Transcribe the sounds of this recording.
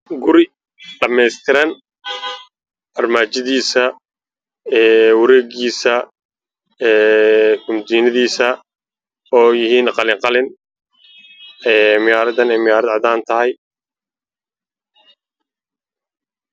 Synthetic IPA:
ɡʊɾɪ | ɖɐmɛjst̪ʰɪɾɐn | ʔɐrmaːt͡ʃɪðiːsɐ | ɛːwɐɾɛːɡiːsɐ | ɛːkʊmd̪iːnɐðiːsɐ | ɔːjɪɦiːnqɑlɪŋqɑlɪn | ɛːmɪjaːɾɐðɐnɛjmɪjaːɾɐd̪ʕɑd̪aːnt̪ʰɐhɛj

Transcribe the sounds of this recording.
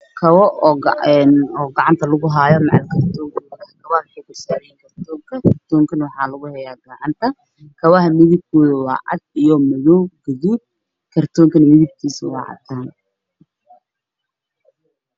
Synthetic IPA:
kʰɐwɔʔɔːɡɛnɔːɡɑʕɑnt̪ʰɐlʊɣʊɦaːjɔmɑʕɑlkʰɐrt̪ʰɔːŋkʰɔkɐɐhkʰɐβɐhɐwʊħɑjɡʊrsaːɾɛjiːŋkʰɐrt̪ʰɔːŋkʰɐkʰɐrt̪ʰɔːŋkʰɐnwɑħɑːlɐɣʊhɛjaːɡɐʕɑnt̪ʰɐ | kʰɐwɐɦɐmɪðɪb̚kʰɔːðɐwɑ̰ːʔɐ̰d̪̚ijɔmɐðɔwɡɐðuːd̪̚ | kʰɐrt̪ʰɔːŋkʰɐnɐmɪðɪb̚kʰiːsɐwɑ̰ːʕɑ̰t̪ʰaːn

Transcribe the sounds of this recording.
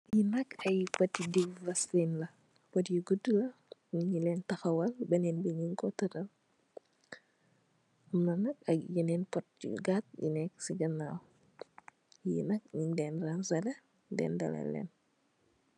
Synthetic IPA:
jinɐkɐjpɐtidivɐslinlɐ | pɔtjuɡudulɐɲiɲilɛːntɐxɐwɐlbɐnɛːnbiɲiŋkɔtɐtɐl | mnɐnɐkɐkjinɛnpɔt̚ḭɡat̚jḭnɛk̚siɡɐna | jinɐk̚ɲiɲdɛːnransɐlɐ | dɛ̰ːndɐ̰lɐ̰lɛ̰ːn

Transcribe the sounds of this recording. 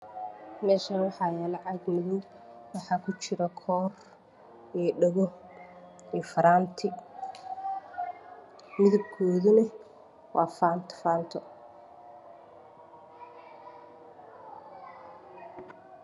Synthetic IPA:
mɛːʃɐːnwɑħɑːjɛːlɑʕɑɡmɪðʊɡ | wɑħɑːkʰʊt͡ʃɪɾɐkʰɔːr | ɛːɖɐɣɔ | iːfɐɾaːnt̪ʰɪ | mɪðʊb̚kʰɔːðʊnɐ | wɑ̰ːfaːnt̪ʰfaːnt̪ʰɔ

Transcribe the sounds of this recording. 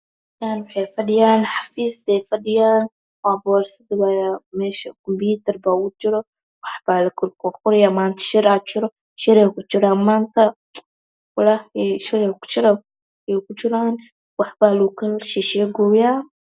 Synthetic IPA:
t̪aːnwɑħɑjfɐɖɪjaːnħɑfiːsdɛfɐɖɪjaːn | waːbɔːɾsɪd̪ɪɡajmɛːʃɐkʰɔmbjuːt̪ʰɐrbaːkʊt͡ʃɪɾɔ | wɑħbaːlɐkʰʊkɔqʊɾɪjaːmaːnt̪ʰɐ̥ʃɪɾaːt͡ʃɪɾɔ | ʃɪɾɛːkʊt͡ʃɪɾaːnmaːnt̪ʰɐ | wʊlaɛʃɪɾɛkʊ̥t͡ʃɪɾɐ | jɛkʊt͡ʃɪɾaːn | wɑħbaːlukʰɐʃiːʃɛɡɔːjaː

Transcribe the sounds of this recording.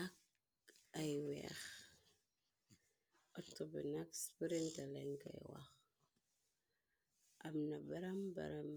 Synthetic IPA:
ak̚ | ajwḛx | otobinakspiɾintaleŋka̰jwa̰x | amnabaɾamba̰ɾam

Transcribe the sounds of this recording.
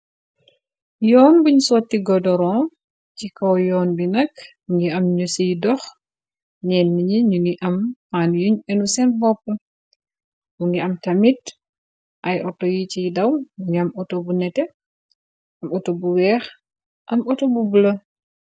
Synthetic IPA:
jɔːnbuɲsɔːtːiɡɔdɔɾɔ | cikɔwjɔːnbinɐkmuŋɡiɐmɲusijdɔx | ɲɛnːiɲiɲuŋɡiʔɐmfaːnjuɲɛnusɛnbɔpːə | muŋɡiɐmtɐmit | ʔɐjʔɔtojit͡ʃijdɐwmuŋɡiɐmɔtobunɛtɛ | ʔɐmɔtobuwɛːx | ʔɐmɔtobubulɐ

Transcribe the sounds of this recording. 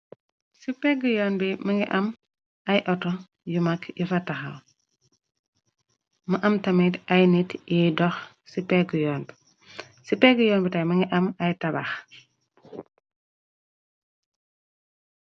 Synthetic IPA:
sipɛɡujɔːnbimɐŋɡiʔɐm | ɐjʔɔtɔ | jumɐkjifɐtɐxɐ̰l | mɐʔɐmtɐmitɐjnitidɔx | sipɛɡujɔːnbi | sipɛɡujɔːnbitajmɐŋɡiʔɐmɐjtɐba̰x

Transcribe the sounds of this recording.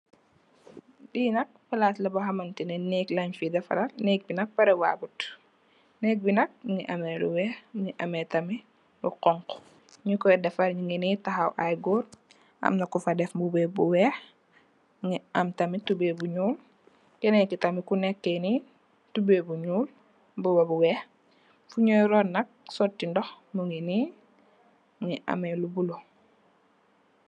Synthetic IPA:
diːnɐk̚pɐlaːtlɐbɐɦɐmɐntinɛnɛklɐɲfidɛfɐ̰ɾɐlnɛk̚binɐk̚pɐɾɛwa̰ːbut | nɛk̚binɐk̚ŋiʔɐmɛlṵwɛːxŋiʔɐmɛtɐmi | bɐqɔŋkɔ̥ | ɲukɔjdɛfɐlɲuŋɛnitɐxɐwʔajɡɔːr | ʔɐ̰mnɐkːufɐdɛfmbubɛːbuwɛːx | ŋiɐmtɐmitubebuɲuːl | kɛnekitamikunɛkːeni | tubebuɲuːl | bubabuwɛːx | fuɲɔjɾɔnːɐk̚sɔtːindɔx | muŋiniː | ŋiʔa̰melubulo

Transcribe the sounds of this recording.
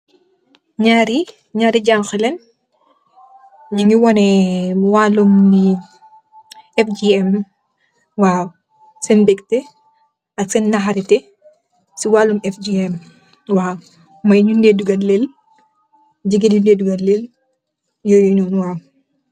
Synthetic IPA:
ɲaːɾi | ɲaːɾiɟaŋxɛlɛn | ɲiŋɡiwɔnɛwaːlumni | ɛfd͡ʒiɛm | waː | sɛnbɛktɛ | ɐksɛnːɐɦaɾitɛ | siwaːlumɛfd͡ʒiɛm | waː | mɐjɲundeːduɡɐlel | d͡ʒiɡidundeːduɡɐlel | jɔjɲɔnwaː

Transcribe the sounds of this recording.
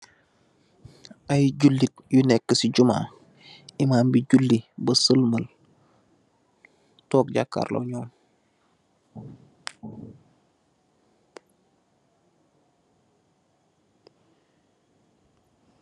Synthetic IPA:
ʔajɟulːitjunɛkːəsiɟuma̰ː | imaːmbiɟulːibəsəlməl | toːk̚ɟakːa̰ɾlo̰ɲɔːm

